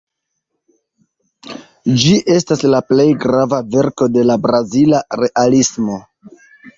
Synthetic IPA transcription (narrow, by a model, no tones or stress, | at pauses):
d͡ʒiʔe̞staslaple̞jɡɾavave̞ɾko̞de̞labɾazilaɾe̞ʔalismo̞